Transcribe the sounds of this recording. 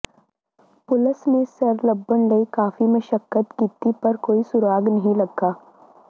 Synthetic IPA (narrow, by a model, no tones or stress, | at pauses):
pʊlɪsmẽsɐɾlɐbːənlɐikaːfimẽʃɐkːət̪kiːt̪ipɐɾkoːisʊɾaːɡnɐɦĩlɐɡːaː